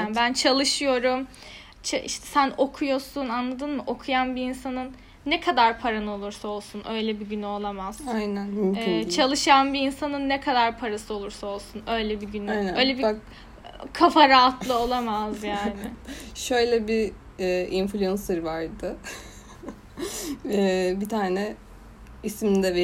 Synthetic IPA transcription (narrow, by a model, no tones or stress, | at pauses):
bænt͡ʃʰalˠɯʃɯjo̞ɾum | t͡ʃʰaʔḭʃt̪ʰɛ̥sæno̞kʰujo̞sunanlˠad̪ɯːnmɯʔo̞kʰujanbiinsanɯnː | ɛkʰad̪aɾpʰaɾanɯo̞lˠuɾsao̞lˠsunʔøjlʲɛbiɟynyo̞lˠamaz̥ajnænmmɛːt͡ʃʰalˠɯʃanbiinsanɯnːɛkʰad̪aɾpʰaɾasɯo̞lˠuɾsao̞lˠsunø̞jlʲɛbiɟynyø̞jlʲɛbi | kʰafaɾaːt̪ʰlˠɯo̞lˠamazjaːnɪʃø̞jlʲɛbi | ɛinflʲyanseɾɯvaɾd̪ɯ | ɛbit̪ʰaːnɛ | ismind̪ɛv